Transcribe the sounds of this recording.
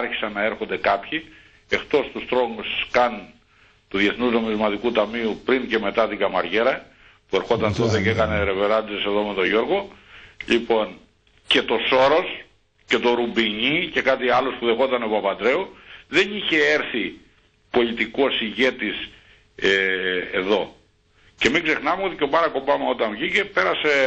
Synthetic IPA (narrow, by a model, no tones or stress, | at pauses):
ɐɾçi̥sɐnːɐeɾxo̞nd̪e̞kɐpçi | e̞xt̪o̞st̪ust̪ɾo̞ŋuskɐn | t̪uðje̞θnuzno̞mizmɐt̪ikut̪ɐmiupɾince̞me̞t̪ɐt̪iɡɐmɐɾʝe̞ɾɐ | pue̞ɾxo̞t̪ɐnt̪ot̪ecekɐne̞ɾe̞ve̞ɾɐnd̪isese̞ðo̞me̞t̪oʝo̞ɾɣo̞ʎipo̞n | ce̞t̪o̞so̞ɾo̞s | ce̞t̪o̞ɾubiɲice̞kɐt̪iɐlo̞spuðe̞xo̞t̪ɐno̞pɐpɐt̪ɾe̞uðe̞niçe̞eɾθi | po̞lit̪iko̞siʝe̞t̪is | eeðo̞ | ce̞miɡze̞xnɐmeo̞t̪ico̞pɐɾɐko̞bɐmeo̞t̪ɐɱvʝicepe̞ɾɐse̞